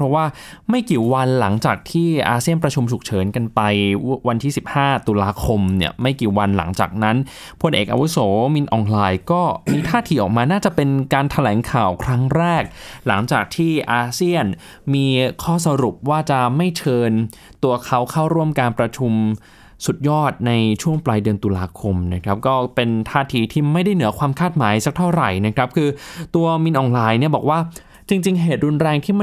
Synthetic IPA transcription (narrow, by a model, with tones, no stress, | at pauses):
ɔ˦˥waː˥˩ | ma˥˩jkiː˨˩wa˧nla˩˦ŋt͡ɕaː˨˩k̚t̪ʰiː˥˩ʔaː˧si˥˩ənpɾa˧t͡ɕʰu˧mt͡ɕʰu˨˩k̚t͡ɕʰɤː˩˦nka˧npa˧jwa˧nt̪ʰiː˥˩si˨˩p̚haː˥˩t̪u˧laː˧kʰo˧mni˥˩əma˥˩jkiː˨˩wa˧nla̰˩˦ŋt͡ɕa̰ː˨˩k̚na˦˥n | pʰo˧nʔḛː˨˩k̚ʔa̰˧wu˦˥soː˩˦mi˧nʔɔː˧nlaː˧jkɔː˥˩miː˧t̪ʰaː˥˩t̪ʰiː˨˦ʔɔ̰ː˨˩k̚maː˧naː˥˩t͡ɕa˨˩pe˧nkaː˧nt̪ʰa˧lɛː˩˦ŋkʰaː˨˩wkʰɾa˦˥ŋɾɛː˥˩k̚la˩˦ŋt͡ɕaː˨˩k̚t̪ʰiː˥˩ʔaː˧si˥˩ən | miː˧kʰɔː˥˩sa˧ɾu˨˩p̚waː˥˩t͡ɕa˨˩ma˥˩jt͡ɕʰɤː˧n | t̪u˧ɐkʰa˦˥wkʰa˥˩wɾu˥˩əmkaː˧npɾa˧t͡ɕʰu˧m | su˨˩t̪̚jɔː˥˩t̪̚na˧jt͡ɕʰu˥˩əŋplaː˧jdɯ˧ənt̪u˧laː˧kʰo˧mna˦˥˩kʰɾa˦˥p̚kɔː˥˩pe˧nt̪ʰaː˥˩t̪ʰiː˨˦t̪ʰiː˥˩ma˥˩jda˥˩jnɯ˩˦ɐkʰwaː˧mkʰaː˥˩t̪̚ma̰ː˩˦jsa˨˩k̚t̪ʰa˥˩ɾa˨˩jna˦˥kʰɾa˦˥p̚kʰɯː˧t̪u˧ɐmi˧nʔɔː˨˩nlaː˧jni˥˩ɐbɔː˨˩k̚waː˥˩ | t͡ɕi˧ŋt͡ɕi˧ŋɦeː˨˩t̪̚ɾu˧nɾɛː˧ŋt̪ʰiː˥˩m˥